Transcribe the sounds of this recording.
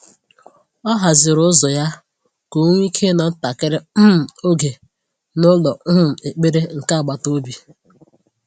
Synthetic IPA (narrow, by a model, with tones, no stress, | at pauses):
ɔ˦ɦa˨zɪ˨ɾʊ˦zɔ˨ja˦ | ko˨˦ŋʷ˦i˦kʰe˦nɔ˨˦n̩˦ta˨kɪ˦ɾɪ˦m˨o˦ɡe˨ | nʊ˦lɔ˨˦m̩˨e˨k͡pe˦ɾe˦ŋ̩˨ka˦˨ɡ͡ba˨to˦bi˨